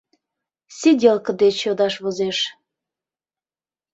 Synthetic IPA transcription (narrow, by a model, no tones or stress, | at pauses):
sedʲelkə̆d̪et͡ɕjod̪ɑʃβozeʃ